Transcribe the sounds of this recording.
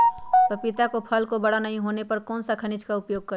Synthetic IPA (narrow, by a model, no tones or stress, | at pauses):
pəpɪt̪akopʰəlkobəɽ̤anɐɦĩɦoːnepəɾkɔːnsakʰənɪd͡ʒkaʊpjoːɡ̚kəɾ